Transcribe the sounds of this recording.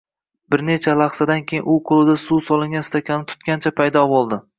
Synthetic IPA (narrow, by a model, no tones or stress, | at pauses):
bɪɾne̞t͡ʃʰalˠɑχsad̪ankʲʰejɪnʊqʰolˠɪd̪asusɒlˠɪŋʲɡʲanst̪ʰakʲʰanɪt̪ʰʊ̥t̪kʲant͡ʃʰapʰajd̪ɒbolˠd̪ɪ